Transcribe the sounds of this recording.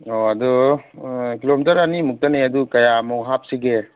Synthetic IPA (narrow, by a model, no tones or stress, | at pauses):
oɐdɔ | kilomitɐɾanimuk̚tanejɐdukɐjamɔɦap̚siɡe